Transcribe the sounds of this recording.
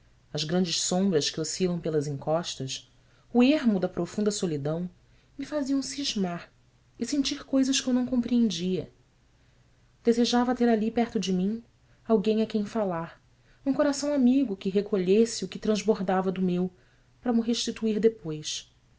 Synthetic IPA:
ɐzɡɾɐ̃nd͡ʒɪʃsõmbɾɐʃkɪosilɐ̃w̃pelɐzĩŋkɔʃt̪ɐs | ueɾmʊd̪ɐpɾofũnd̪ɐsolid̪ɐ̃w̃ | mifaziɐ̃w̃siʒmaɾ | ɪsẽnt͡ʃiɾkojzɐʃkʲɪewnɐ̃w̃kõpɾiẽnd͡ʒiɐ | d̪̥ezeʒavɐt̪eɾalipɛɾt̪ʊd͡ʒɪmĩɲ | awɡẽj̃ɐkẽj̃falaɾ | ũkoɾasɐ̃w̃amiɡʊkɪɦekʰoʎesɪʊkɪt̪ɾɐ̃zboɾd̪avɐd̪ʊmew | pɾɐmʊɦeʃt͡ʃit̪uiɾd̪epojs

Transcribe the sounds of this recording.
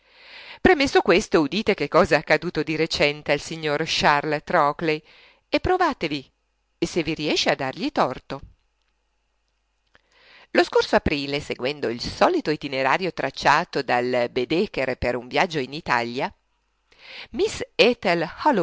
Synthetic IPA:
pɾemesːokwest̪oud̪iːt̪ek̟ekːɔːzaakːad̪uːt̪od̪iɾet͡ʃɛnt̪ealsiɲːorʃarlt̪ɾɔklej | epːɾovaːt̪evi | esevːiɾiɛʃːead̪ːarʎit̪ɔrt̪o | loskorsoapɾiːleseɡwɛnd̪oilsɔːlit̪oit̪ineɾaːɾjot̪ɾat͡ʃːaːt̪od̪albed̪ekeɾpeɾuɱvjad͡ʒːoinit̪a̰ʎja | misɛt̪elhɔl

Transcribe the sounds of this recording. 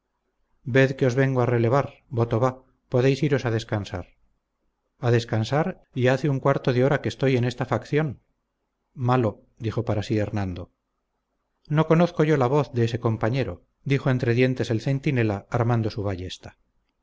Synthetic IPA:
be̞ðkeo̞zβe̞ŋɡoare̞le̞β̞aɾbo̞t̪o̞βa | poðe̞jsiɾo̞saðe̞skansa̰ɾ | aðe̞skansaɾ | iaθeuŋkwaɾt̪oðeo̞ɾakest̪o̞je̞ne̞st̪afakθjo̞n | malo̞ | d̪ixo̞paɾasie̞ɾnand̪o | no̞ko̞noθko̞ʝo̞laβ̞o̞θðeese̞ko̞mpaɲe̞ɾo̞̰ | d̪ixo̞e̞nt̪ɾe̞ðje̞nt̪e̞se̞lθe̞nt̪ine̞laaɾmand̪o̞suβaʝe̞st̪ḁ

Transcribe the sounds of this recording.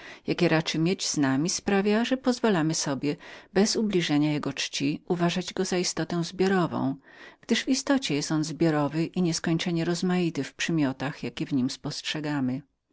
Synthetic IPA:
jakʲɛɾat͡ʂɘmʲjed͡ʑz̥namʲispɾavʲjaʐɛpɔzvalamɘsɔbʲjɛbɛzublʲiʐɛɲajɛɡɔt͡ʂt͡ɕiʔuvaʐad͡ʑɡɔzaist̪ɔt̪ɛw̃zbʲjɔɾɔvɔ̰̃w̃ɡ̥d̪ɘʐvist̪ɔt͡ɕɛjɛst̪ɔnzbʲjɔɾɔvɘʔiɲɛskɔɲt͡ʂɛɲɛɾɔzmajit̪ɘfpʂɛmʲjɔt̪axjakʲɛvɲimspɔstʂɛɡamɘ

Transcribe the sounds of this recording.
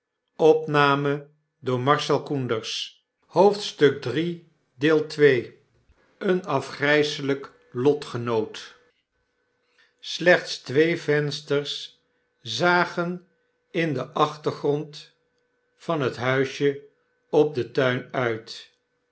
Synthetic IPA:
ɔpnaːmə | dʊːɹmɑɹʃɛlˠkundəɹs | howftstɵɡ̚dri | dɪːlˠtʋej | ənɑfχrɛjsələk | lɔtχənowt | slɛχtstʋejvɛnstəɹs | zaːχən | ɪndəʔɑχtəɹχrɔnt | fɑnɦətɦœɥʃjə | ɔb̚dətœɥnœɥt

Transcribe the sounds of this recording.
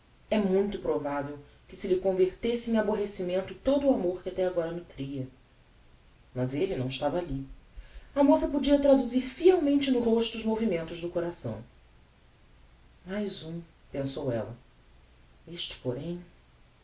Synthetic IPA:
ɛmũj̃t̪ʊpɾovavew | kɪsɪlɪkõveɾt̪esɪẽj̃aboɦesimẽnt̪ʊt̪od̪ʊuamoɾkɪat̪ɛaɡɔɾɐnʊt̪ɾiɐ | mɐzelɪnɐ̃w̃ɪʃt̪avɐali | ɐmosɐpod͡ʒiɐt̪ɾad̪uziɾfiawmẽnt͡ʃɪnʊɦoʃt̪ʊːzmovimẽnt̪ʊʒd̪ʊkoɾasɐ̰̃w̃ | majzũ | pẽsowɛ̰lɐ̰ | eʃt͡ʃɪ̥poɾẽj̃

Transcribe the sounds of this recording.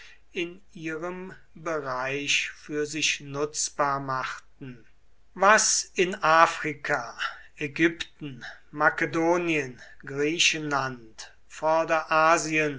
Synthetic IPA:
ɪn | iːʁəm | bəʁaɪʃfyːɐzɪʃnʊt͡sb̥aːɐmaχtn̩ | vasɪnʔaːfʁ̥ikʰa | ɛɡʏptn̩makedoːniənɡʁiːʃənlant | fɔɐdɐʔaːziən

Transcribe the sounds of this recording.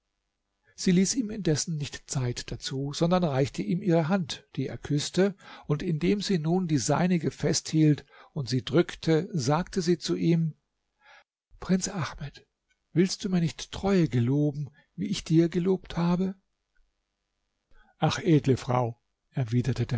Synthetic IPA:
z̥iːliːsiːmɪndɛsn̩nɪçtt͡saɪtd̥at͡suːz̥ɔndɐnʁaɪçtəʔiːmʔiːʁəɦantd̥iːḛːɐkʰʏstəʊntɪndeːmziːnuːndiːzaɪnɪɡəfɛsthiːltʊntz̥iːdʁʏktʰəzaːktəziːt͡suʔiːm | pʁ̥ɪnt͡sʔaχmɛt | v̥ɪlst̚d̥uːmiːɐnɪçtːʁ̥ɔʏəɡəloːbm̩ | viːɪçd̥iːɐɡəloːpthaːbə | ʔaχʔeːdləfʁ̥a̰ʊ | ʔɛɐviːdɐtədeːɐ

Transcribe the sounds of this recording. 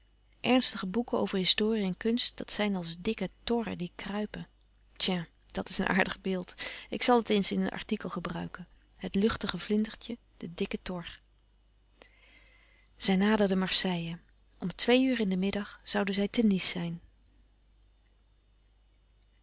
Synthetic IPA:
ʔɛɹnstəχəbukəo̰wvəɹɦɪstoːriɛnkɵnst̚d̥ɑtsɛjnɑlˠzdɪkətɔrə̰dikrœɥpə | tja | d̥ɑtɪsənʔa̰ːɹdəχbɪːlˠtɪksɑlˠətejnsɪnənʔɑ̰ɹtikəlˠχəbrœ̰ɥkən | ɦətlɵχtəχəvlɪndəɹtjə | d̥ədɪkətɔɹ | z̥ɛjnaːdəɹdəmɑɹsɛjə | ʔɔmtʋejyːrɪndəmɪdɑχz̥ɑwdəzɛjtənisːɛjn

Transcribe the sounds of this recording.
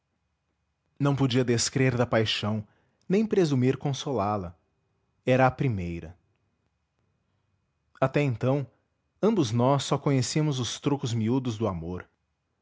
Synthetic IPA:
nɐ̃w̃pod͡ʒiɐd̪eskɾeɾd̪ɐpajʃɐ̃w̃ | nẽj̃pɾezumiɾkõsolalɐ | ɛɾɐːpɾimejɾɐ | at̪ɛẽnt̪ɐ̃w̃ | ɐ̃bʊznɔsːɔkõɲesimʊzʊst̪ɾokʊzmiud̪ʊzd̪ʊamoɾ

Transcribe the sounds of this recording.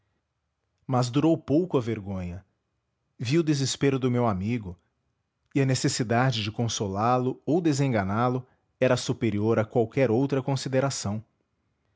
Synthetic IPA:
mɐzd̪uɾowpowkʊɐveɾɡõɲɐ | viʊd̪ezespeɾʊd̪ʊmewamiɡʊ | iɐnesesid̪ad͡ʒɪd͡ʒɪkõsolalʊowd̪ezẽŋɡɐnalʊ | ɛɾɐsupeɾioɾɐkwawkɛɾowt̪ɾɐkõsid̪eɾasɐ̃w̃

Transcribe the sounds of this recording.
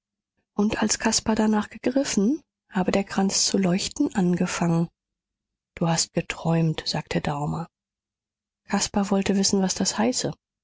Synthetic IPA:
ʔʊntʔalskʰaspadanaːχɡ̥əɡʁɪfn̩ | haːbədeːɐkʁ̥ant͡st͡sulɔʏçtn̩ʔanɡəfaŋən | d̥uːhast̚ɡ̥ətʁ̥ɔʏmtz̥aːktʰədaʊmɐ | kʰaspavɔltəvɪsn̩vasd̥ashaɪsə

